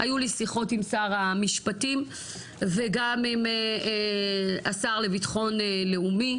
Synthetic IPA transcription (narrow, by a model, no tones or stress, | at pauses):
a̰julisiχo̞timsaʁamiʃpatim | veɡamime | asaʁlevitχo̞nele̞umi